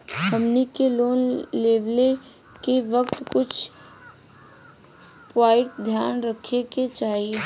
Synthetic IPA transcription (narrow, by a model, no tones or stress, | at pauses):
həmnikeloːnleːʋle | keʋəkt̪kʊt͡ʃʰ | pʋaːɪʈ̚d̪ʱjaːnɾəkʰeket͡ʃaːi